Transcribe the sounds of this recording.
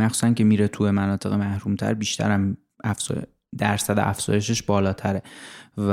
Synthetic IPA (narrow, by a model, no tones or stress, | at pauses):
æxχsu̥sænkʰe̞miːɾet̪ʰujemænɒːt̪ʰe̞ɣemæhɾuːmt̪ʰæ̰ɾbiːʃt̪ʰæ̰ɾæm | æfz̰ | d̪æɾsæd̪eʔæfz̥ɒ̰ːje̞ʃ̬eʃbɒːlɒːt̪ʰæɾev